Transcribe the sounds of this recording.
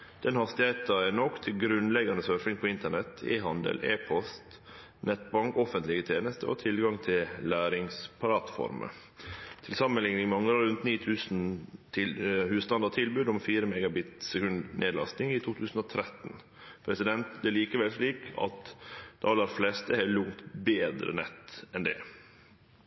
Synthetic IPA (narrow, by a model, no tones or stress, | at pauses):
d̪̥ɛnhɑst̪ɪheɪt̪ɑɛnɔkːt̪ʰɪlɡɾʉnlɛɡɑnd̪əsœɾfɪŋpʰɔɪnt̪əɳɛt̪ʰḛːɦɑnd̪ə̰lʔḛːpʰɔst̪ | nɛt̪bɑŋkɔfənt̪lɪɡət̪ʰeːnəst̪ə̰ʔɔ̰ːt̪ʰɪlɡɑŋt̪ʰɪllæːɾɪŋspʰɑɾɑːt̪fɔ̰ɾmə̰ | t̪ʰɪlsɑmːənlɪŋɪmɑŋːəɑɾʉnt̪niːt̪ʰʉːsn̩t̪ʰɪhʉːst̪ɑnd̪ɑt̪ʰɪlbʉːd̪ɔmfiːɾəmɛɡɑbɪt̪sɛkʉnd̪nʔeːd̪lɑ̰st̪ɪŋɪt̪ʰuːt̪ʰʉːsn̩ɔt̪ʰɾɛt̪ːn | pʰɾɛsɪd̪ɛnt̪d̪æːliːkəʋɛlsɭiːkɑ̰t̪d̪̥ɑɑlɑɾflɛst̪əhɛlʊŋt̪beːd̪ɾə̰nɛt̪ɛnd̪ɛ̰